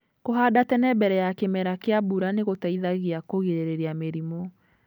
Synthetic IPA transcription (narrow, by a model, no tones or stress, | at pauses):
koɦadatɛnɛbɛɾɛjakemɛɾakeabuɾaneɣotaiðaɣeakoɣeɾeɾeɾeameɾimɔ